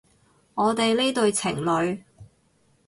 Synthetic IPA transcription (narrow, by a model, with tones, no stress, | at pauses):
ŋɔː˨˧t̪e˨jle˥t̪ɵ˨ɥt͡sʰɪ̰˨˩ŋlɵ˨˧ɥ